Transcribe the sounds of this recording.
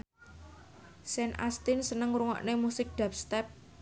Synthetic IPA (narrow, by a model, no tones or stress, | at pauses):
sɛnʔa̰st̪ɪnsənəŋɾuŋɔ̰ʔnemusɪk̚ɖ̪̥a̤p̚st̪ɛp̚